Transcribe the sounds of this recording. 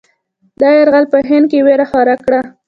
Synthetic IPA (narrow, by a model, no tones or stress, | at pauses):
d̪ɑjaɾɣalpəɦɪnd̪̚keweɾaxɑɾakɽa